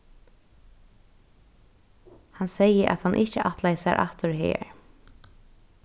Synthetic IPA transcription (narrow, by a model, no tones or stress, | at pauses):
hansɛjəʔa̰t̪hanʔɪht͡ʃəʔat̪lajsaɾʔa̰ht̪ʊɹɦḛːɹ